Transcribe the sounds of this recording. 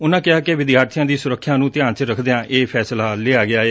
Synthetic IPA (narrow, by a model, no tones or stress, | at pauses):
ʊnãːkɪaːkeʋɪd̪ɪjaːɾt̪ʰijãːd̪iːsʊɾəkʰːjãːnũːt̪ɪjãːnt͡ʃɾəkʰd̪eãːʔeːpʰɛːslaːleaːɡɪaːɦeː